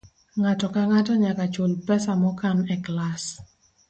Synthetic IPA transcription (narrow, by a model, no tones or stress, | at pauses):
ŋatɔkaŋatɔɲakat͡ʃolpɛsamɔkanɛklas